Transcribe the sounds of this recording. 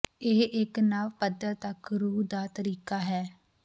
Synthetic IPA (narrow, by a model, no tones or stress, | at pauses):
eːʔɪknaːʋpəd̪əɾt̪əkɾuːd̪aːt̪əɾiːkaːɦɛː